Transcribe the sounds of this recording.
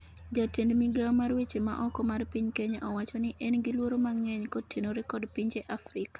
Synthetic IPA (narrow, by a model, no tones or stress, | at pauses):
d͡ʒatendmiɡamarwet͡ʃema̰ʔɔkɔmarpiɲkɛɲa̰ʔɔwat͡ʃɔnɪʔɛnɡɪlwoɾomaŋɛɲkɔtʰenoɾɛkɔdpiɲd͡ʒɛʔafrɪka